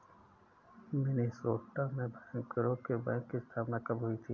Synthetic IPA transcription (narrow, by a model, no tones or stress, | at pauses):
mɪnisoːʈːamẽbʱãj̃ŋkːəɾokebɛ̃ːŋkːist̪ʰaːpnakəbɦʊit̪ʰiː